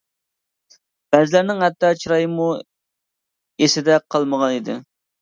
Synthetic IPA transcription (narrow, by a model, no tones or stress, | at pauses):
b̥ɛzɪlæɾnɪŋhɛt̪ːɑt͡ʃʰiɾɑjmu | esɪd̪ɛqʰɑlˠməʁɑnid̪ɪ̰